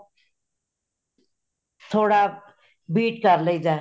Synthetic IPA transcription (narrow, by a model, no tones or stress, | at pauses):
t̪ʰoːɽaː | biːʈkəɾləid͡ʒãː